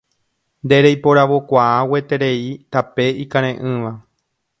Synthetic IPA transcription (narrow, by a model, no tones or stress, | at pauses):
nd̪e̞ɾejpo̞ɾaʋo̞kʷaawet̪e̞ɾe̞it̪ape̞ikãɾ̃ẽʔɨ̃ʋa